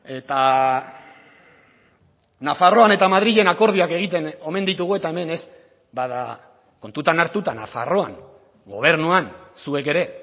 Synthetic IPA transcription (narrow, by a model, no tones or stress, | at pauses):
e̞t̪a | nafaro̞ane̞t̪amað̞ɾiʎe̞nako̞ɾð̞iake̞ɣ̞it̪e̞no̞me̞nd̪it̪uɣ̞ue̞t̪ae̞me̞ne̞s | baða̰ | ko̞nt̪ut̪anaɾt̪ut̪ana̰fa̰ro̞a̰ŋ | ɡo̞̰β̞e̞ɾnuansue̞ke̞ɾe̞